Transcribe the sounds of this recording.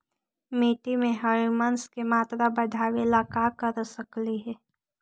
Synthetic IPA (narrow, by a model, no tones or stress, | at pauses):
meːʈimẽɦəɾimənskemaːt̪ɾabəd̪ʱaːʋelakakəɾsəkliɦɛː